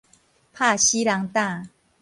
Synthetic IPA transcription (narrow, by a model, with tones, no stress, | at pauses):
pʰa˥˧˨ɕi˦la˨˧˦ŋt̪a˥˨